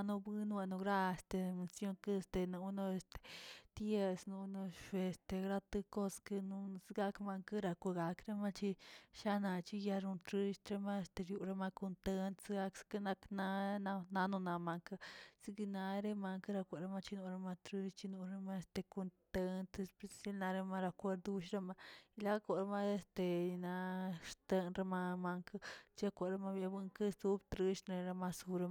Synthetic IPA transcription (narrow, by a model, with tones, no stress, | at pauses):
no˧bi˦n˦wa˧no˧ɡɾa˦e˨st̪e˨me˧sjo˦ŋkɨ˦˧st̪e˨nu˧˦no˧e˧st̪e̥˨t̪je˧snu˧˦no˧ʃe˨st̪e˧ɡɾa˦˧t̪ɨ˧ko˦skɨ˧nu˧sɡa˧kma˧ŋkɨ˦ɾa˧kʷa˧˨ɡa˨kɾe˦ma˦t͡ʃi˧ʃa˦na˧t͡ʃi˦˧ja˧ɾu˧nt̪ɾi˦ʃt̪ɾe˧ma˦e˧st̪e˧ɾju˧˨ɾe˧ma˧ko˧nt̪e˧nt̪sɡa˧kskɨ˦na˧kna˧na˧na˧nũ˧na˨ma˧ŋka˧si˦ɡi˧na˧ɾe˦ma˧ŋka˦ɾa˧kʷe˨ɾe˦ma˦˧t͡ʃi˦nu˧ɾe˧ma˧t̪ɾi˦ʃt͡ʃi˦nu˧ɾe˦ma˦e˧st̪e˧ko˧nt̪e˦nt̪e˧spe˧sa˦lna˧ɾe˦ma˦ɾa˧kʷe˦ɾd̪u˦ʃɾa˦ma˧i˧la˦a˦ko˨ɾa˦ma˦e˧st̪e˨i˧na˧ɾt̪e˦nɾe˦ma˧ma˧ŋka˦t͡ʃi˦a˧kʷa˨ɾe˦ma˦bja˧bɨ˦ŋke˦su˦bt̪ɾi˦ʃɾe˧ɾa˧ma˧su˧ɾe˧